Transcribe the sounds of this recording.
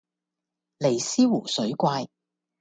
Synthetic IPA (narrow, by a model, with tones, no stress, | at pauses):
le˨˩jsiː˥wuː˨˩sɵ˨˥ɥkʷaː˧j